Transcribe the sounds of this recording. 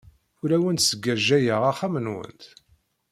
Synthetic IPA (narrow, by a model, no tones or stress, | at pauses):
uɾæwənt̪səɡːæʒːæjəʁaχæmənwə̰nt̪